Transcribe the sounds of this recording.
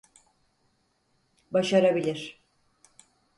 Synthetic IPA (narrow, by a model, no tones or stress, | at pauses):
baʃaɾabilʲiɾ̥